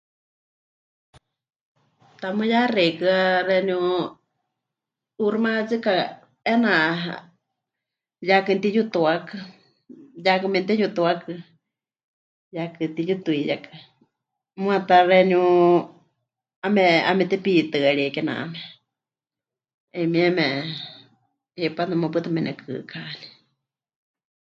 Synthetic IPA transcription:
t̪amɨjarɛkɨarɛnju | urɨmat͡sɨka | ɛnaʔɦa̰ | jakɨnt̪ijut̪uakɨ | jakɨmɛnt̪ɛjut̪uakɨ | jakɨt̪ijut̪uijakɨ | mw̃at̪arɛnu | amɛa̰mɛt̪ɛpit̪ɨaɺikɛnã̰ʔmɛ | ɛmiɛmɛ | ipanamapɨt̪amɛnɛkʰɨ̰kʰani̥

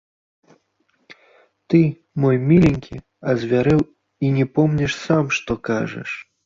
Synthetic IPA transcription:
t̪ɨ | mɔjmʲilʲinʲkʲi | ɐzʲvʲaɾɛw | inʲɛpɔmnʲɛʂsamʂt̪ɔkaʐɛ̰ʂ

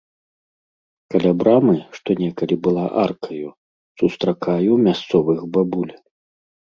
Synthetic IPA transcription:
kalʲabɾamɨʂt̪ɔnʲɛkɐlʲibɨlˠaʔarkʰɐju | sust̪ɾakajumʲast̪sɔvɨxbabulʲ

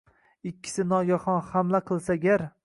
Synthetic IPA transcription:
ɪkʲʰːɪ̥sɪnɒɡʲaχɒnhamlaqʰɨlˠsaɡʲaɾ

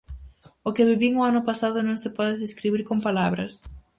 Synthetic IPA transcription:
okɪβiβiŋoanʊpasaðʊnõŋsɪpɔðɪðeskɾiβiɾkompalaβɾɐs

